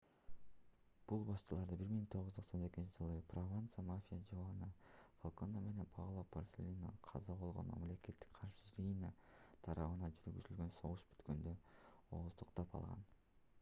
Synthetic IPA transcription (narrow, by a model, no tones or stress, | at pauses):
b̥ulˠbɑʃt͡ʃɯlˠɑɾd̪ɯbiɾmiŋt̪ʰo̞ʁzt̪ʰoqsone̞kʲint͡ʃid͡ʒɯlˠɯprovant̪samafʲijad͡ʒovɑnɯfolˠko̞name̞ne̞npʰɑʁlˠaporsʲelʲinɑ̰qʰɑzɑbo̞lˠʁo̞̰nmɑ̰mle̞ke̞t̪ːi̥kqʰɑɾʃɯɾinat̪ʰɑɾɑβɯnɑd͡ʒyɾyɡyzylɡø̞nso̞ʁuʃby̥t̪kø̞nd̪øo̞̰ːzt̪uqt̪ɑpɑ̰lˠʁɑ̰n